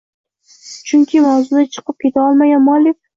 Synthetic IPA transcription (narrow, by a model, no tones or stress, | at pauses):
t͡ʃʰʊŋkʲʰɪmawzʊd̪at͡ʃʰɨ̥qɨp̚kʲe̞t̪ʰaɒlˠmaɡʲanmɒlɪk̚ʲ